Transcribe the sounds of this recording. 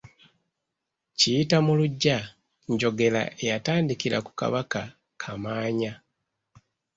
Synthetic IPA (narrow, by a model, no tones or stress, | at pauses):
cijitamuluɟːa | ɲɟo̞ɡe̞la̰ʔe̞jataːndikiɾa̰ku̥ka̰βaka | kʰamaːɲa